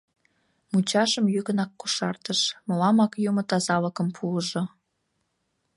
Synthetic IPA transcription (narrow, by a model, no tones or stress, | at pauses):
mut͡ɕɑʃəmjykənɑkːuʃɑrt̪əʃmolɑmɑkjumŏt̪ɑzɑləkə̆mpʰuəʒo